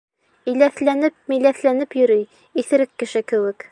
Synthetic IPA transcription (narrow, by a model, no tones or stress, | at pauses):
ĭjlæθlænɘp̚mijlæθlænɘpjɵ̆ɾɵj | iθɘ̆ɾɘkːɘ̆ʃɘkɘ̆wɘk